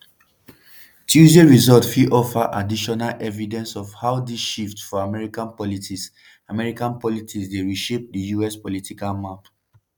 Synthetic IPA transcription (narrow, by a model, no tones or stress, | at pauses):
tʰjuzeɹizɔtfiʔɔfaʔadiʃɔnalʔɛvidɛ̃nsɔvhaʊdiʃiftfɔamɛɹikãnpɔlitis | amɛɹikãnpɔlitʰisdeɹiʃep̚dəjuɛspɔlitʰikalmap